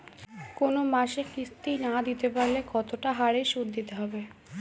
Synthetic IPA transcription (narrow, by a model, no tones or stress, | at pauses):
konomaʃekist̪inad̪it̪epaɾlekɔt̪oʈaɦaɾeʃuɾd̪it̪eɦɔbe